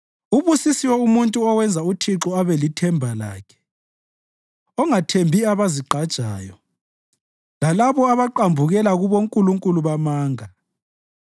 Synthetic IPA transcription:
uβusisiwɛumuntʼuɔwɛnd͡zʱautʰiǁɔaβelitʰɛmbʱala̰ːkʰɛ̥ | ɔŋatʰembʱiaβaziǃad̥ʒ̥ʱa̰ːjɔ | lalaβɔaβaǃambʱuɣɛlaɣuβoŋkʼuluŋkʼuluβamaːŋa

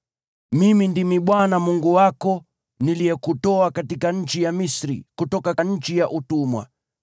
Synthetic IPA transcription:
mimindimiɓwanamuŋɡuwakɔ | nilijɛkutɔakatikaɲ̩t͡ʃijamisɾḭkutɔkaɲ̩t͡ʃijaʔutumwa̰

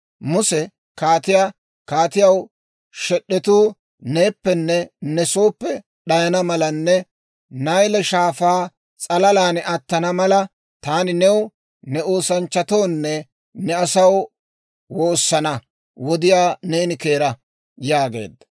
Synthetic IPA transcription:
mʊsɛ | kaːt̪ɪja | kaːt̪ɪjɐw | ʃɛɗːɛt̪uː | ne̞ːpːɛnːɛnɛsoːpːɛ | ɗɐjɐnɐmɐlɐnːɛ | nɐjlɛʃaːfaː | t͡sʼɐlɐlaːnɛɐt̪ːɐnɐmɐlɐ | t̪aːnɪnɛw | nɛo̞ːsɐnt͡ʃːɐt̪o̞ːnːɛ | nɛɐsɐw | wo̞ːsːɐnɐ | wɔd̪ɪjaːneːnɪke̞ːɾɐ | jaːɡḛːd̪ːɐ

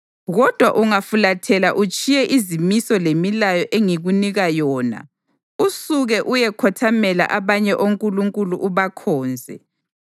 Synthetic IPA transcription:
ɣɔd̥ʱwa̰ʔuŋafulatʰɛlaʔut͡ʃʼijɛʔizimisɔlemilajɔʔeŋiɣuniɣajɔːna̰ | usuɣɛʔujɛkʰɔtʰamɛla̰ʔaβaɲɛʔoŋkʼuluŋkʼuluʔuβakʰɔːnd͡zʱɛ

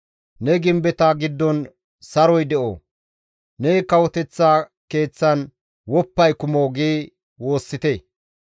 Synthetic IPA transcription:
nɛɡɪmbɛt̪aːɡɪd̪ːɔn | sɐɾɔjd̪ɛʔo̰ː | nɛkɐwɔt̪ɛt͡sːaːke̞ːt͡sːɐn | wɔpːɐjkʊmoːɡeː | woːsːɪt̪eː

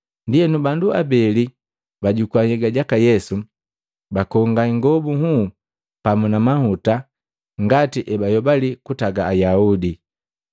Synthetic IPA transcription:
ndijɛnubandua̰bɛli | baɟukwaɲɛɡaɟakajɛsu | bakɔŋɡaŋɡɔbuhu | pamunamahuta | ŋɡatiʔɛbajɔbalikutaɡaːjaudi

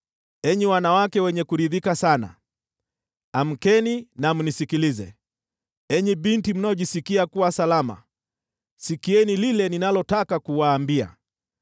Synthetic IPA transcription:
ɛɲɛwanawakɛwɛɲɛkuɾiðikasana̰ | am̩kɛninam̩nisikilizɛ | ɛɲɛɓintim̩naɔʄisikiakuwasalama̰ | sikiɛnililɛninalɔtakakuwaːmbia̰

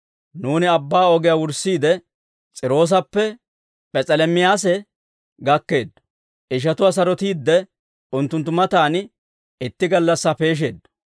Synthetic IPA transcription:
nuːnɪɐbːaːɔɡɪjaːwʊɾsːiːd̪ɛ | t͡sʼɪɾo̞ːs̬ɐpːɛ | pʼɛt͡sʼɛlɛmɪjaːs̬ɛ | ɡɐkːe̞ːd̪ː | ʔɪʃ̬ɐt̪ʊwaːs̬ɐɾɔt̪iːd̪ːɛ | ʊnt̪ːʊnt̪ːʊmɐt̪aːn | ɪt̪ːɪɡɐlːɐsːape̞ːʃ̬e̞̰ːd̪ːɐ

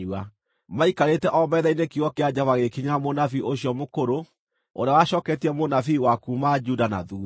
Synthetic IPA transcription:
a | maikaɾetɛʔɔmɛðɛinekiɔkead͡ʑavaɣekiɲamonafiʔoɕiɔmokoɾo | o̰ɾawaɕɔkɛtiɛmonafiwakumad͡ʒudana̰ðu

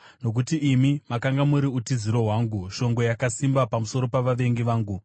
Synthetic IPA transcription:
no̞k̬utiʔːmimakaŋɡamuɾiutiziɾo̞ɦwaːŋɡuʃo̞ŋɡo̞jakasimbapamuso̞ɾo̞paʋaʋe̞ŋɡiʋaːŋɡu

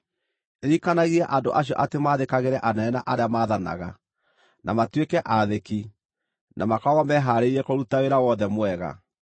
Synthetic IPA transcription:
eɾikanaɣiaʔandoʔaɕ̬jɔ̰ʔatemaðekaɣeɾɛʔanɛɛnaʔaɾeamaːðana̰ɣa | nʔa̰matwekɛʔaðeki | nʔamakaɣamɛɦaːɾeiɾɛkoɾutaɣeɾawɔðɛmwɛɣa̰

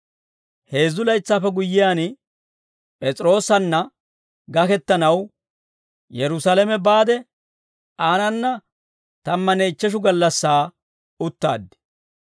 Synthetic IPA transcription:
he̞ːzːʊlɐjt͡sːaːfɛɡʊjːɪjaːn | pʼɛt͡sʼɾo̞ːsɐnːɐ | ɡɐkɛt̪ːɐnɐw | jɛɾʊsalɛmɛbaːd̪ɛ | aːnɐnːɐ | t̪ɐmːɐnejt͡ʃːɛʃ̬ʊɡɐlːɐsːaː | ʊt̪ːa̰ːd̪ːɪ̥

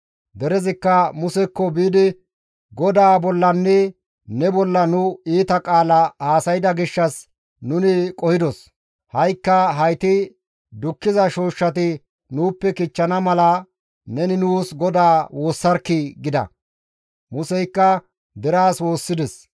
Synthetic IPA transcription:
d̪ɛɾɛzɪkːɐmʊsɛkːɔbiːd̪ɪ | ɡɔd̪aːbɔlːɐnːɛ | nɛbɔlːɐnʊiːt̪ɐkʼaːlɐhaːsɐjɪd̪ɐɡɪʃːɐs | nʊnɪkʼɔhɪd̪ɔs | hɐjkːɐɦɐjt̪ɪ | d̪ʊkːɪzɐʃoːʃːɐt̪ɪ | nuːpːɛkɪt͡ʃːɐnɐmɐlɐ | nɛnɪnuːsɡɔd̪aːwoːsːɐɾkːɪɡɪd̪ɐ̰ | mʊsɛjkːɐ | d̪ɛɾaːswo̞ːsːɪd̪ɛs

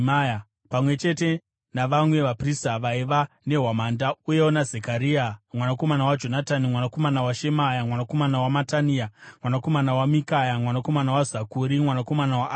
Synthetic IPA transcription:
maja | pamwe̞t͡ʃe̞te̞ | naʋamwe̞ʋapristaʋaiʋa | ne̞ɦwamandauje̞wonazekaɾiamwanako̞manawad͡ʒo̞natanimwanako̞manawaʃemajamwanako̞manawamataniamwanako̞manawamikajamwanako̞manawazakuɾimwanako̞manawa

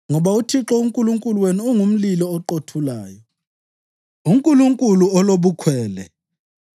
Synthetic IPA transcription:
ŋɔɓautʰiǁɔuŋkʼuluŋkʼulweniuŋum̩lilɔɔǃotʰulaːjɔ | uŋkʼuluŋkʼuluɔloɓukʰwɛːlɛ

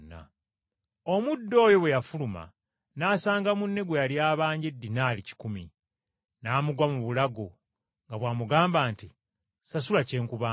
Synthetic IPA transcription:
nːa̰ | omudːo̞ːjo̞we̞jafuluma̰ | naːsaːŋɡamunːe̞ɡwealjaːβaːɲɟe̞dːinaːlici̥kumi | naːmuɡwamuβulaɡo | ŋɡaβwaːmuɡaːmbaːnti | sasulace̞ːŋkuβaː

